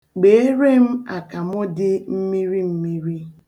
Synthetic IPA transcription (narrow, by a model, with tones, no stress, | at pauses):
ɡ͡be˨e˦ɾe˦m̩˦a˨ka˨mʊ˦dɪ˦m̩˦mi˦ɾi˦m̩˦mi˦ɾi˦